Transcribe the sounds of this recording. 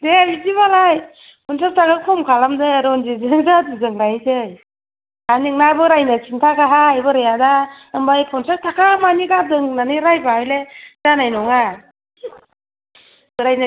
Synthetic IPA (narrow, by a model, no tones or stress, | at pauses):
debiziβalaj | pʰɔnsap̚tʰakakʰɔmkʰalamdɯɾɔnd͡ʒizɯŋzaduzɯŋɾajtɯj | aniŋ̚nabɯɾajnat͡ʃintʰakaɦajbɯɾɯjada | ɯmbajpʰɔnsap̚tʰakamaniɡap̚dɯŋnanɯɾajbaajlezanajnɔŋa | bɯɾajna